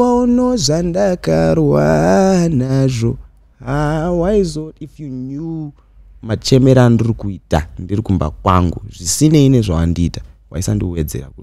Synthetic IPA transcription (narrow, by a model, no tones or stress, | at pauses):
aunozandakaɾwa̰naʐo̞ | ɦawaizotifjuɲu | mat͡ʃe̞me̞ɾandirikuita̰ndirikumba̰kwa̰ŋɡuʐisine̞ine̞ʐawandiːtḁwa̰isandiwe̞d͡ze̞̰ra̰kut